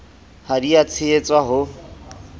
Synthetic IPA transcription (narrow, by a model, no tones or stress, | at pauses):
haɾiat͡sʰɪet͡sʼwaɦʊ